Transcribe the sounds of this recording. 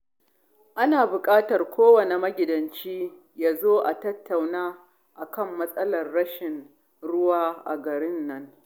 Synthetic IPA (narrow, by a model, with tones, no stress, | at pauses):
ʔa˦naː˨bʊ˨kʼaː˦tɐ˨rkʷoː˦wɐ˨ne˨mɐ˦ɡʲɪ˨dɐ˨nt͡ʃiː˦ | jaː˦zoː˦ʔa˨tɐ˦tːa˨wnaː˦ | ʔa˨kɐ˦˨mːɐ˦sʼɐ˦lɐ˨rːɐ˦ʃɪ˨n | ɽʊ˦waː˦ʔa˨ɡɐ˨ɾɪ˦nːɐ˦ŋ